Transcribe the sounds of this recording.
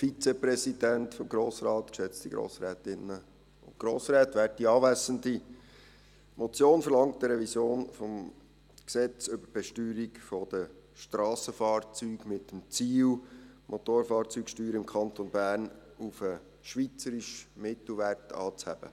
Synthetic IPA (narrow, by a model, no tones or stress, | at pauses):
fit͡sɛprɛsid̥æntfɔmɡɾoːsɾɑːt̪kʃɛt͡std̥iɡɾo̰ːsɾɛːt̪ɪnːə | ʊ̰ntɡ̥ɾoːsɾɛːtʋæːt̚d̥iɑːvæsəndi | mɔt͡sjoːnfəɾlɑŋtdəɾɛvisjoːnfɔm | ksɛt͡sʏbəb̥ɛʃtyːɾikfɔd̥ə | ʃtɾɑːsəfɑːrt͡syːɡmɪtəm̩t͡siːlmʔot̪oːɾfɑːrt͡syːksʃtyːɾəɪmkʰɑntonbæːrnufə | ʃʋit͡səɾiʃmɪt̪l̩ʋærtɑ̰ːt͡shæ̰b̥ə̰